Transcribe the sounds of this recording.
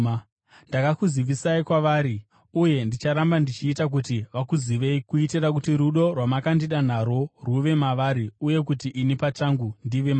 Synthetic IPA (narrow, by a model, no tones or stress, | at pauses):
ndakakuziʋisaikwaʋaːɾi | uje̞ndit͡ʃaɾambandit͡ʃiːtak̬utiʋakuziʋe̞ikuiteɾak̬utiɾuɗo̞rwamakandiɗan̤aɾo̞ruʋe̞maʋaɾiuje̞k̬utiʔinipat͡ʃaŋɡundiʋe̞ma